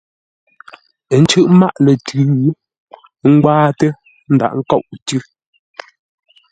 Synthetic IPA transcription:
n̩˦t͡ʃʉ˦˨ʔma̰˦˨ʔlɛ˨tʉ˨˦ɣʉ˦ | ŋ̩˦ɡwaː˦tə˦ | n̩˦da̰˨ʔŋ̩˦kɔ˦˨ʔtʉ˦

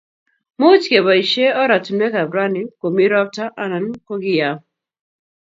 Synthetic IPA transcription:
mu˦t͡ʃkɛ˨ba˨i˨ʃe˦ɔ˦ɾa˨tu˨nwɛ˦ka˨bɾa˦ni˨˦ko˨mi˦ɾɔ˦p̚ta˦ʔa˦na˨nko˦ɡi˦ja˨

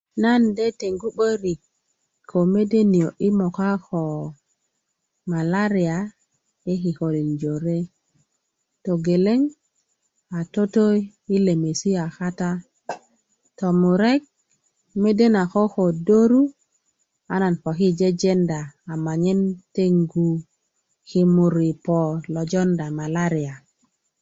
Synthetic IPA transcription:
na˦nde˦te˨ŋɡu˦ɓo˦ɾi˨k | kʰːo˨me˦de˦ni˨o˨ʔi˦mo˨ka˦xo˨ | ma˨la˦ɾi˨a˨ | e˦ki˨ko˨li˨nd͡ʒo˨ɾe˦ | to˨ɡe˨le˦ŋ | a˨to˦to˦j | i˦le˨me˨si˦a˨xa˦ta˦ | tɔ˨mu˨ɾɛ˦k̚ | me˦de˦na˨xɔ˦xo˨do˦ɾu˦ | a˦na˨npɔ˨ki˦d͡ʒe˦d͡ʒɛ˦ndaː˨ma˨ɲɛ˦nte˦ŋɡu˨ | ki˨mu˨ɾi˨pɔ˨lɔ˨d͡ʒɔ˦nda˨ma˨la˦ɾi˨a˨

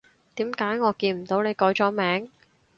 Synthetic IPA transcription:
t̪iː˨˥mkaː˨˥jŋɔː˨˧kiː˧nm̩˨˩t̪o˨˥wne˨˧jkɔː˨˥jt͡ʃɔː˨˧˥mɛː˨˥ŋ

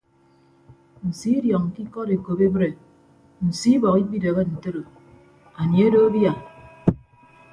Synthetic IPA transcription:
n̩˨si˨˦djɔ˨ŋ˨ki˦kɔ˦ɾe˨ko˨be˦bɾe˨ | n̩˨si˦bɔ˨ki˦k͡pi˦de˨ɣe˦n̩˨te˦ɾo˨ | a˨nje˦do˦bja˨

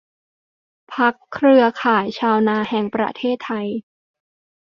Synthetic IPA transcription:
pʰa˦˥kʰːɾɯ˧ɐkʰaː˩˦jt͡ɕʰaː˧wnaː˧hɛ˨˩ŋpɾa̰˧t̪ʰeː˥˩t̪ʰːa˧j

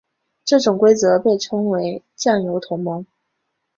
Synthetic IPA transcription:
ʈ͡ʂɤ˥˩ʈ͡ʂʊ˨˩ŋkwe˥ɪt͡sɤ˧˥pe˥˩ɪʈ͡ʂʰɤ˧˥ŋwe˧˥ɪ | t͡ɕja˥˩ŋjo˧˥ʊt̪ʰʊ˧˥ŋmɤ˧˥ŋ

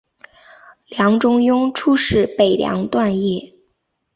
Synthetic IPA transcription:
ljɑ˧˥ŋʈ͡ʂʊ˥ŋjʊ˥ŋʈ͡ʂʰu˥ʂɻ̩˥˩pe˨˩ɪljɑ̰˧˥ŋt̪wa˥˧njɛ˥˩

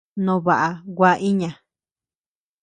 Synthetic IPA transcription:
nõ˧βa˨ʔa˨wʷa˦˧ʔi˦ɲã˨

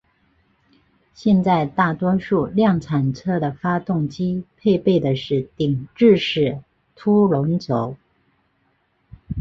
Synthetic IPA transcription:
ɕjɛ˥˧nt͡sa˥˧ɪt̪a˥˩t̪wɔ˥ʂu˥˧ljɑ˥˩ŋt͡sʰa˨˩nt͡sʰɤ˥d̪ə˨fa˥t̪ʊ˥˩ŋt͡ɕi˥pʰe˥˧ɪpe˥˩ɪd̪ə˩ʂɻ̩˥˩t̪i˨˩ŋʈ͡ʂɻ̩˥˧ʂɻ̩˥˩ | t̪ʰu˥ɻʊ˧˥ŋt͡so˧˥ʊ

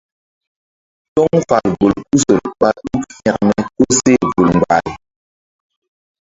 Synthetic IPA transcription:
tɔ˦ŋfa˨lbo˨lku˦sə˨l̚ɓa˨u˦fja˨kmɛ˨ko˦se˦˨vu˨lŋ˨ɡ͡ba̰˨l

